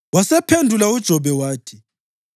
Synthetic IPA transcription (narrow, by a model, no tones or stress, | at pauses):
wasɛpʰendʱulaud̥ʒ̥ʱɔβɛwaːtʰi̥